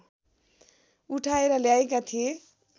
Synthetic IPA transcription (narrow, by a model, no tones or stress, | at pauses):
uʈʰaeɾʌljaekat̪ʰije